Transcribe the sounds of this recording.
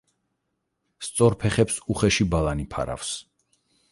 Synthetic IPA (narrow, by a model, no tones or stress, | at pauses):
st̪sʼɔɾpʰɛχɛpsuχɛʃibalanipʰa̰ɾa̰fs